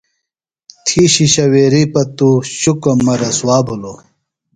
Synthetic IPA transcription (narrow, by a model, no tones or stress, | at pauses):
t̪ʰiːɕiɕɐweːɾipɐt̪uɕukɐmɐɾɐsuwaːbʱulo